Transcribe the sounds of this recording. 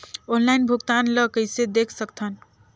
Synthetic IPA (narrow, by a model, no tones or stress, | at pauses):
onlajnbʱuɡt̪anləkəjsed̪ekʰsək̚t̪ʰən